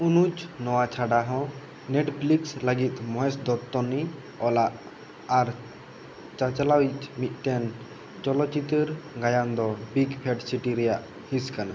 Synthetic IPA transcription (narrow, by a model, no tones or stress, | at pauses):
unut͡ʃnɔwat͡ʃʰaɖaɦɔ̃ | neʈpʰliksləɡit̪̚ˀmɔɦɛsd̪ɔt̪ːɔni | ɔlaʔ | aɾ | t͡ʃat͡ʃalawit͡ʃmit̪̚ˀʈɛn | t͡ʃɔlɔt͡ʃit̪əɾɡajand̪ɔbiɡpʰɛʈsiʈiɾɛjaʔ | hĩskana